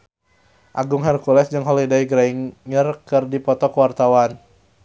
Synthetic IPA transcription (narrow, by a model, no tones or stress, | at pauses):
ʔaɡuŋɦɛrkulɛsd͡ʒɨŋɦɔlidajɡɾaiŋɲərkɨrdipɔt̪ɔkwart̪awan